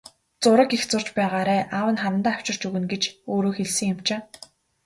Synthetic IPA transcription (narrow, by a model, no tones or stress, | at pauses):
t͡sʊɾə̆kixt͡sʊr̥t͡ɕpæːʁaːɾæːʔawə̆nχaɾə̆nt̪aːw̥t͡ɕɪ̆r̥t͡ɕɵɣɘ̆nɡet͡ɕoːɾoːxeɮsɘ̆ŋʊm̥t͡ɕeː